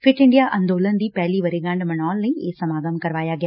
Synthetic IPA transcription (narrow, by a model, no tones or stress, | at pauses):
fɪʈɪ̃ɳɖijaʔɐ̃nd̪oːlənd̪iːpɛɦliʋɐɾeɡɐ̃ɳɖmɐnaːlnɐ̃ĩeːsɐmaːɡəmkɐɾʋaːjaɡɪja